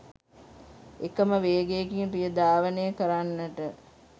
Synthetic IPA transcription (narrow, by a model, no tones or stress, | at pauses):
ekəməʋeːɡeːkiŋpijəd̪aːʋənəjəkəɾanːəʈə